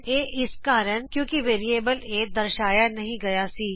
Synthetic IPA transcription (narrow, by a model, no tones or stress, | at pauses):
eːʔɪskaːɾəɳkjõːkiʋeːɾieːbəleːd̪ɐɾʃaːjanɐɦĩɡɐjasiː